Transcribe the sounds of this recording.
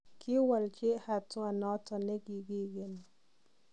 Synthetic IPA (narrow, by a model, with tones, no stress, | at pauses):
kɪ˦wa˨lt͡ʃe˦ha˨twa˨nɔ˦tɔ˨nɛ˦ɡi˨ɡi˦ɡe˨n